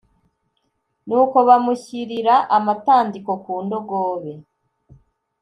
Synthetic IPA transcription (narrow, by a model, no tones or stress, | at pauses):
nuːko̞βamuçiɾiɾaʔamataːndiko̞kuːndoɡoːβe